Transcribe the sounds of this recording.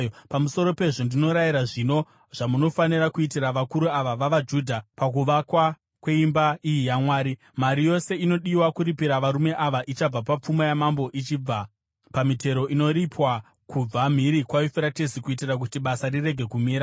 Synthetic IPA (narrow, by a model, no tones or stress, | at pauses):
pamuso̞ɾo̞pe̞ʐo̞ndino̞ɾajiɾaʐino̞ | ʐ̥amuno̞faniɾakuitiraʋakuɾuaʋaʋaʋad͡ʒuːdʱapakuʋakwa | kwe̞imbaijijamwaːɾi | maɾijo̞se̞ino̞ɗiwakuɾipiɾaʋaɾume̞ʔaʋaʔit͡ʃab͡vapap͡fumajamambo̞ʔit͡ʃib͡va | pamitʰe̞ɾo̞ʔino̞ɾipwa | kub͡vam̤iɾikwajifeɾatezikuitirak̬utiɓasarire̞ɡʱe̞kumiːɾa